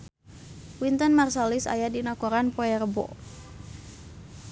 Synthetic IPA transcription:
wint̪ənmarsalisa̰jadinakɔɾanpoɛrbɔ̰

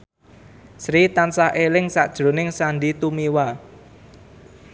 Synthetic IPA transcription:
sɾit̪ansaʔelɪŋsaʔd̥ʒ̥ɾo̤nɪŋsanɖit̪umiwa

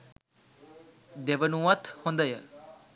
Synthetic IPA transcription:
d̪eʋənũːət̪ʰhõnd̪əjɛ

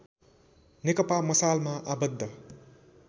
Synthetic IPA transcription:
nekʌpamʌsalmaʔabəd̪ʱːʌ

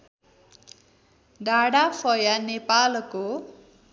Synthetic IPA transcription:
ɖaɽapʰʌjanepalko

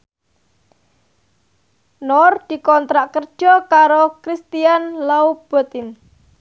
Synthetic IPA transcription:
nɔrd̪̥i̤kɔnt̪ɾaʔkərd̥ʒ̥ɔ̤kaɾokɾist̪ianlaub̥ɔ̤t̪ɪn

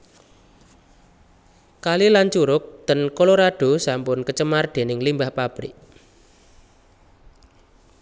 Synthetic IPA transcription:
kalilaɲt͡ʃuɾʊk̚d̪̥ənkoloɾaɖ̥o̤sampʊnkət͡ʃəmard̪̥e̤nɪŋlimbahpab̥ɾɪ̰ʔ

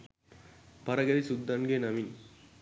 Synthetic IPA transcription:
pɐɾɐɡɐðisud̪ːɐnɡeːnɐmin

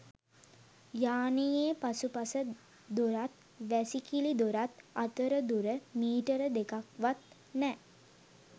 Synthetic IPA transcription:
jaːnijeːpasupasə | d̪oɾat̪̚ | ʋæsikilid̪oɾat̪at̪əɾəd̪uɾəmiːʈəɾəd̪ekakʋat̪ | nɛ

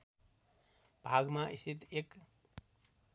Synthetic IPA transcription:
b̥ʱaɡmaʔist̪it̪ek

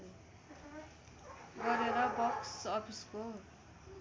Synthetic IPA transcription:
ɡʌɾeɾʌbʌksʌpʰisko

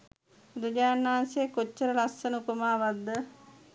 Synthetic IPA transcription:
ud̪ɐd͡ʒaːnːaanseːkot͡ʃːəɾəɾasənəupəmaːʋad̪ːə

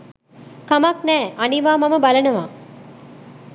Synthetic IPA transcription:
kɐmɐknæːʔɐniʋaːmɐməbɐlɐnɐʋa̰ː

